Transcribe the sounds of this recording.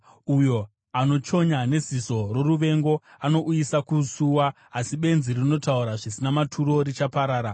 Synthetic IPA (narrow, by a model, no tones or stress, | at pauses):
ujo̞ | ano̞t͡ʃo̞ɲane̞ziso̞ro̞ruʋe̞ŋɡo̞ano̞ʔujisakusuwaː | siɓe̞nzirino̞tauɾaʐisinamatʰuɾo̞rit͡ʃapaɾaːɾa